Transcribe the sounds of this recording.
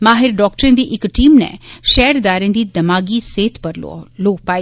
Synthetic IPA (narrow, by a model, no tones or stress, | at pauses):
maːɦɪɾɖɔːk̚ʈɾẽːd̪iːʔɪkʈiːmnɛ̰̃ːʃɛːɖd̪aːɾẽːd̪iːd̪əmaːɡiːseːt̪pəɾ̰loːpaːi